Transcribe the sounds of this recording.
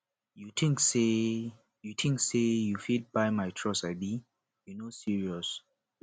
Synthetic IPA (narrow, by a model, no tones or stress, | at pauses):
jutʰĩŋkse | jutʰĩŋksejufit̚bajmajtʰɹɔsajbi | junosiɹiɔs